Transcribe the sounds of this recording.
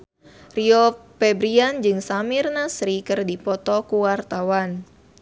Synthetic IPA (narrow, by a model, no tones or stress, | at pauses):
riɔpɛbɾiand͡ʒɨŋsamirnasɾikɨrdipɔt̪ɔkuwart̪awan